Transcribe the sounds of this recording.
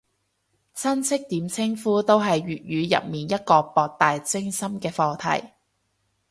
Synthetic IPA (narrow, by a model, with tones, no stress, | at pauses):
t͡sʰɐ˥nt͡sʰɪ˥k̚t̪iː˨˥mt͡sʰɪ˥ŋfuː˥t̪o˥wɦɐ˨jɥyː˨t̚ɥyː˨˧jɐ̰˨p̚miː˨njɐ˥t̚kɔː˧pɔː˨k̚t̪aː˨jt͡sɪ˥ŋsɐ˥mkɛː˧fɔː˧t̪ʰɐ̰˨˩j